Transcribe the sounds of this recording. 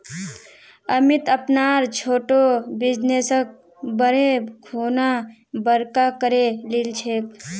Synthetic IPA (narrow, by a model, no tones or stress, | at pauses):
əmit̪əpnaːɾt͡ʃʰoːʈobɪd͡ʒneːsək̚ | bəɾekʰoːna | bəɾkakəɾelilt͡ʃʰeːk